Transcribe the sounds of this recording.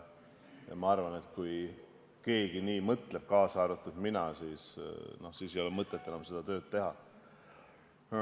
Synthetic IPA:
jɑ̰mɑɑrvɑne̞t̪kuj | ke̞ːɡ̥iniːmɤt̪ˑle̞b̥̚kɑːsɑːɾut̪ːˑud̪̥minɑsiːsno̞hsiːsejo̞lemɤt̪ːˑet̪ˑːenɑmse̞d̪̥ɑt̪ø̞ːd̪̚t̪ːe̞ɦɑ

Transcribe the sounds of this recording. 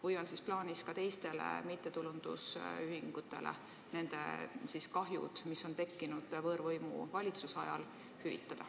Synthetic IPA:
vɤjvɑnsisplɑːnʲiskɑt̪e̞jst̪e̞lḛmit̪ˑːe̞t̪ulund̪̥ṵsyɦiŋɡ̥ut̪ːˑe̞̰lḛ | ne̞nd̪̥ḛsiskɑɦjṵd̪̥miso̞nt̪e̞kːinud̪̥vɤːɾvɤjmṵvɑlʲit̪susɑjɑ̰l | hyvḭt̪ːˑɑd̪̥ɑ

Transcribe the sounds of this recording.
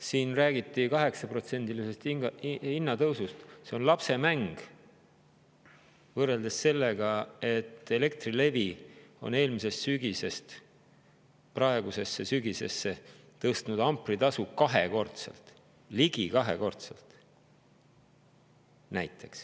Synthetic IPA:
siːnræːɡ̥it̪ːˑikɑɦe̞ksɑpro̞t̪se̞nd̪̥ilise̞st̪iinːɑt̪ɤwsust̪se̞o̞nlɑpse̞mæŋɡ̥ | vɤre̞ld̪esːe̞lːe̞ɡ̥ɑe̞t̪ːˑe̞le̞k̚t̪rile̞vio̞̰ne̞ːlmise̞ssyɡ̥ise̞st̪ | prɑe̞ɡ̥use̞sːe̞syɡise̞sːe | t̪ɤst̪nud̪ɑmpˑrit̪ɑsukɑɦḛko̞rt̪sḛlt̪ˑ | liɡ̥ikɑɦe̞̰ko̞rt̪sḛlt̪ˑ | næjt̪ʰːˑe̞ks

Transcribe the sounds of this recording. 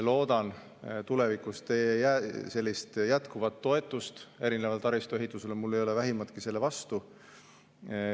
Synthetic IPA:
lo̞ːd̪̥ɑn | t̪ule̞vikˑust̪e̞jæse̞lʲːist̪jæt̪kuvɑt̪ːo̞e̞t̪ːˑust̪e̞ɾinevɑlt̪ɑɾist̪oe̞ɦit̪ːˑuse̞lemulːejo̞levæɦimɑt̪kise̞lːe̞vɑst̪u

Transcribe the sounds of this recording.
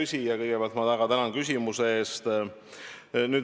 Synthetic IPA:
ysʲijɑkɤjɡ̥epeɑlt̪mɑt̪æɡɑt̪ænɑnkysʲimuse̞e̞ːst̪ | nyːd̪

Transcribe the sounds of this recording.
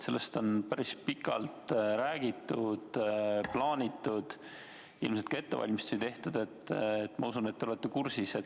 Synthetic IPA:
se̞lːest̪o̞npæɾispikːˑɑ̰lt̪ɾæːɡ̥it̪ːud̪̥plɑːnʲit̪ːˑud̪̥ | ḭlmselt̪̚kɑe̞t̪ːevɑ̰lʲmist̪o̥it̪e̞ht̪ud̪̥e̞t̪ːet̪ːˑmɑusunet̪ːeo̞let̪ːekursise

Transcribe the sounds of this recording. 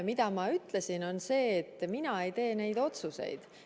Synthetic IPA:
mid̪ɑmɑyt̪ˑle̞sino̞nse̞ːt̪ːˑminɑe̞jt̪e̞ːne̞jd̪o̞t̪suse̞̰jd̪̥

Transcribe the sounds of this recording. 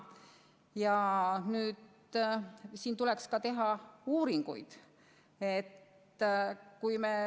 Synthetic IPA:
jɑnyːd̪ | siːnt̪ule̞kskɑt̪e̞ɦɑuːɾiŋɡ̥ṵjd̪̥ | e̞t̪ː | kujme

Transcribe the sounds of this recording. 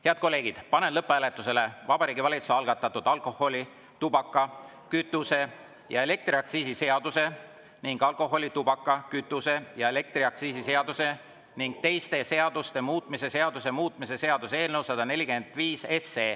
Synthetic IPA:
he̞ɑd̪̥̚ko̞lːe̞ːɡid̪̥pɑne̞nlɤpːeæle̞t̪ːˑuse̞le̞vɑbɑɾiːɡivɑlʲit̪suɑlɡ̥ɑt̪ˑːɑt̪ːud̪̥ɑlkˑo̞ho̞lʲi | t̪ubɑkːɑ | kyt̪ːˑuse̞ | jɑe̞le̞k̚t̪ɾriɑk̚t̪siːsise̞ɑd̪̥use̞ | niŋɡ̥ɑlko̞ɦo̞lʲit̪ub̥ɑkːɑkyt̪ːˑuse̞jɑe̞le̞k̚t̪riɑkt̪siːsise̞ɑd̪̥use̞ | niŋɡ̥̚t̪e̞jst̪e̞se̞ɑd̪̥ust̪e̞muːt̪ˑmise̞se̞ɑd̪usemuːt̪ˑmise̞se̞ɑd̪̥usee̞ːlnewsɑd̪̥ɑne̞lʲike̞nd̪̥ˑviːse̞seː

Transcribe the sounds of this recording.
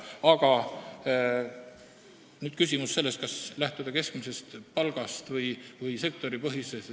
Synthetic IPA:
ɑɡ̥ɑ | nyːd̪̥kysʲimusːse̞lːest̪̚kɑslæht̪ud̪̥ɑke̞skmise̞st̪pɑlɡ̥ɑst̪vɤjvɤjse̞kt̪o̞ɾipɤɦises

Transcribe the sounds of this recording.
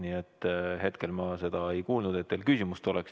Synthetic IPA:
niet̪ːˑhet̪ke̞lmɑse̞d̪̥ɑe̞jkuːlnud̪̥e̞t̪̚ːeːlkysimust̪o̞leks

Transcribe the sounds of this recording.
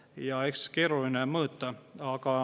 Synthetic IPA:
jɑekskeɾulineməːt̪ːɑɑkɑ

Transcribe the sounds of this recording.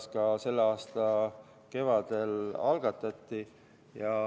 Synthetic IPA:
skɑse̞lːeɑːst̪ɑ | ke̞vɑd̪̥e̞lɑlɡ̥ɑt̪ːˑɑt̪ːi | jɑ

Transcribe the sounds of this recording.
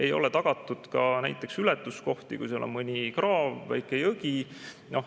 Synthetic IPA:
e̞jo̞̰let̪ɑɡ̥ɑt̪ːˑud̪̥kɑnæ̰jt̪ːˑe̞ksylɛt̪ːˑusko̞ht̪ikṵjselo̰mɤnʲikrɑːvːæ̰jkːˑejɤɡi | no̞h

